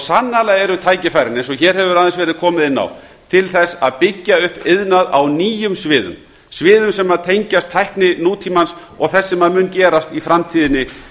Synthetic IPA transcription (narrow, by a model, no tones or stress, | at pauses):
sanːalaɣɛɾʏt̪ʰaːjcɪfajɾɪnɛns̬ɔçɛɾ̥hɛvʏɾaðɪnsvɛːɾɪðkʰɔːmɪðɪnːa̰w | t̪ʰɪlθɛsːaðpɪcːaʏhpɪðnaðawniːjʏmsvɪːðʏ̰m | svɪːðʏmsɛmːaðt̪ʰejɲcast̪ʰːajhknɪnuːt̪ʰiːmans | ɔ̰ɣθɛsːɛmaðmʏːncɛːɾast̪ifɾamt̪ʰiːðɪnːɪ